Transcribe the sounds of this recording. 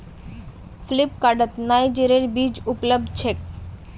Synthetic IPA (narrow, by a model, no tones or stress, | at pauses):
flip̚kaɖət̪najd͡ʑeɾeɾbid͡ʑuplob̚d̪t͡ɕʰek̚